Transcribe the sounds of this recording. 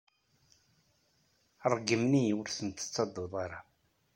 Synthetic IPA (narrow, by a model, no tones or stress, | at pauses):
ɾˤɡəmniʊɾθənt̪ə̥t͡sːɑd̪ːoðˤɑɾɑ